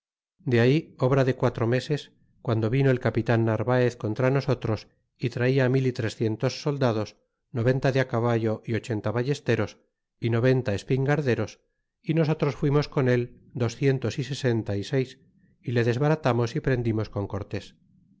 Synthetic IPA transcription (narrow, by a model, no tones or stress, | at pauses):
d̪eaio̞βɾaðe̞kwat̪ɾo̞me̞se̞s | kwand̪o̞βino̞elkapit̪anːaɾβaeθko̞nt̪ɾano̞so̞t̪ɾo̞s | it̪ɾaiamilit̪ɾe̞sθje̞nt̪o̞sːo̞ld̪að̞o̞s | no̞βe̞nt̪aðeakaβaʝo̞ʔio̞t͡ʃe̞nt̪aβaʝe̞st̪e̞ɾo̞s | ino̞β̞e̞nt̪ae̞spiŋɡaɾðe̞ɾo̞s | ino̞so̞t̪ɾo̞sfwimo̞sko̞ne̞l | d̪o̞sθje̞nt̪o̞sise̞se̞nt̪aise̞js | ile̞ðe̞zβaɾat̪amo̞sipɾe̞nd̪imo̞sko̞ŋko̞ɾt̪e̞s